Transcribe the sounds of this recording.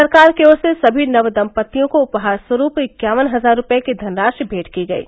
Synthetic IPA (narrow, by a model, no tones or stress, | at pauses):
ɐɾkaːɾkeoːɾsesɐbʱinɐʋd̪ɐ̃mpət̪ːijõkoʊpɦaːɾswɐɾuːpɪkjaːʋənɦɐzaːɾːʊpekid̪ʱɐnɾaːʃbʱeːʈʰkiɡɐḭː